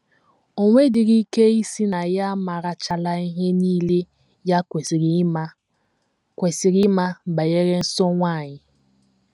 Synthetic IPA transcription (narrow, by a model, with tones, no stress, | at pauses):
o˦ŋʷe˦dɪ˨ɾi˦ke˦i˦si˦na˨ja˦ma˨ɾa˦t͡ʃa˦la˦i˦ɦe˦niː˦le˦ | ja˦kʷe˨sɾi˨˦ma˦ | kʷe˨si˨ɾi˦ma˦˨ba˨je˦ɾe˦n̩˦sɔ˦ŋʷa˦˨ɲɪ˨